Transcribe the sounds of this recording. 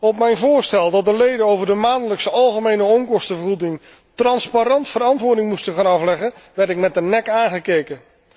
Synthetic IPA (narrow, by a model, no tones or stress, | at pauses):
ɔpmɛjnvʊːɹstɛlˠdɑt̚dəlejdənowvəɹdəmaːndələksəɑlˠχəmejnəɔmkɔstəvərχudɪŋ | trɑnspaɾɑntfəɾɑntʋʊːɹdɪŋmustəχaːnɑflɛχənʋɛɹtɪk̚mɛt̚dənɛkaːnχəkejkən